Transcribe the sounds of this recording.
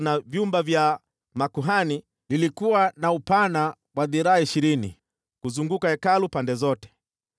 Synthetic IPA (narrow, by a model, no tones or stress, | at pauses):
navjumbavja | makuɦani | lilikuwanaupana | waðiɾaaiʃiɾinḭ | kuzuŋɡukaɛkalupandɛzɔtɛ̥